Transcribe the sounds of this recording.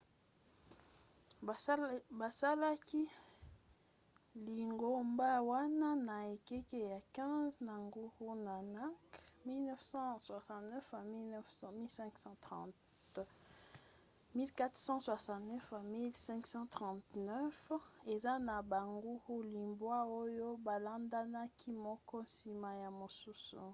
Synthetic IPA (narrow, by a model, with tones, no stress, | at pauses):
ba˨sa˦la˦ki˦ | li˨ŋɡo˦mba˦wa˦na˦na˨e˨ke˦ke˦ja˨kɛ̃˦zna˨ŋɡu˦ho˦na˨na˦kmi˦lnɛ˦fsɑ̃˦swa˨sɑ̃˨tnɛ˦fa˨mi˦ln˦fmi˦lsɛ̃˦ŋksɑ̃˦t̪ɑ̃˨ | t | mi˦lka˦t̪sɑ̃˦swa˨sɑ̃˨tnɛ˦fa˨mi˦lsɛ̃˦ŋksɑ̃˦tʁɑ̃˨tnœ˦fe˨za˦na˨ba˨ŋɡu˦hu˦li˨mbwa˦o˦jo˦ba˨la˦nda˦na˦kʰi˦mɔ˦kɔ˦nsi˨ma˨ja˨mo˨su˦sṵ˨